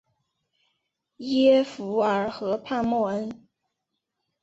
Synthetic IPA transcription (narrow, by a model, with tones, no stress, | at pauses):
jɛ˥fu˧˥ə˞˧˥xɤ˧˥pʰa˥˧nmwɔ˥˩ə˥n